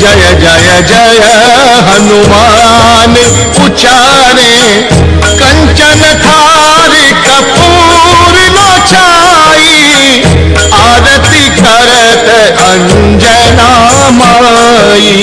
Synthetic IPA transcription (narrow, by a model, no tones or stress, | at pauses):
d͡ʒɐjɐd͡ʒajɐd͡ʒɐjɐ | ɦɐnuma | n | ʊt͡ʃa | ɾe | kɐ̃ɲt͡ʃɐnɐt̪ʰa | ɾi | kɐpu | ɾɪno | t͡ʃa | i | aːd̪ɐt̪ikɐɾə | t̪ | ɐɲ | d͡ʒɛ | na | ma | ji